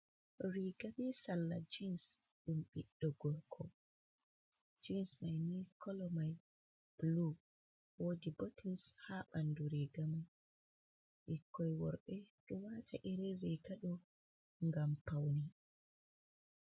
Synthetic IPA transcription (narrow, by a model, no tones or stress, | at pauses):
ɾiɡaɓɛsalːa̰d͡ʒins | ɗumɓiɗːɔɡɔɾkʰɔ | d͡ʒinsmajnikʰɔlɔmaj | b̥lu | woːdibɔtinshaɓanduɾiɡamaj | ʔikːɔjwɔɾɓɛɗɔwatʰaʔɛɾɛɾiɡaɗɔ | ŋɡampawni